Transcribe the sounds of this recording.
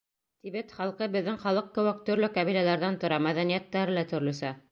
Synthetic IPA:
t̪iβɘt̪χɑlˠqɤbɘ̆ðːɘŋχɑlˠɤq̚kɘ̆wɘk̚t̪ɵ̆ɾlɵkɑβilælæɾðænt̪ŏɾɑmæðænijæt̪ːæɾɘlæt̪ɵ̆ɾlɵ̆sæ

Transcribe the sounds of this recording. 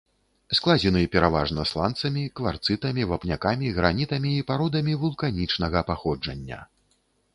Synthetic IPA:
sklˠad͡zʲɛnɨpʲɛɾavaʐnɐslˠant̪sɐmʲikvart̪sɨt̪ɐmʲivapnʲakamʲiɣɾanʲit̪ɐmʲiːpaɾɔd̪ɐmʲivulˠkanʲit͡ʂnɐɣɐpaxɔd͡ʐɐnʲːɐ̰

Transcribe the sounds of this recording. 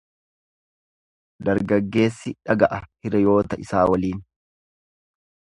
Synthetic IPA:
d̪ɐɾɡɐɡːe̞ːsːɪᶑɐɡɐʔɐhɪɾɐjo̞ːt̪ɐʔɪsaːwɐliːn

